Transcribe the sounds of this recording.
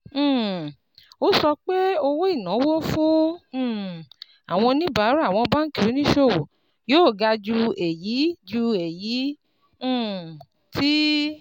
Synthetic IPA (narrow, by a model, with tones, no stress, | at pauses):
o˦sɔ˧k͡pe˦o˧wo˦i˦˨nã˨˦wo˦fũ˦˨ | a˨w̃ɔ̃˧nĩ˦ba˨˦ɾa˦˨w̃ɔ̃˧ba˦n̩˦ki˨u˨˦nĩ˦ʃo˦˨wo˨ | joː˦˨ɡa˧d͡ʒu˧ɛ˨ji˨˦d͡ʒu˧ɛ˨jĩ˨˦˨ | tʰi˦